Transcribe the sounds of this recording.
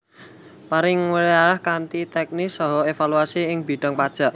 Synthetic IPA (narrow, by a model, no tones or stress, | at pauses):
maɾɪŋwəɾiaɾahkant̪it̪ɛk̚nisɔɦɔefaluasiɪŋbi̤ɖ̥a̤ŋpad̥ʒ̥a̤ʔ